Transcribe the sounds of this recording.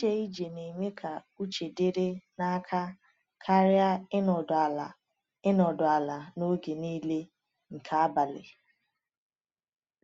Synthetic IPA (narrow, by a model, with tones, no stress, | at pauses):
e˦i˦d͡ʒe˨ne˨me˦kʰa˨ | u˦t͡ʃe˨de˦ɾe˦na˦kʰa˦ | kʰa˦ɾɪ˦a˦ɪ˦nɔ˨dʊ˨a˨la˨ | ɪ˦nɔ˨dʊ˨a˨la˨no˦ɡe˨niː˦le˦ | ŋ̩˨kʰa˦a˦ba˨lɪ̰˨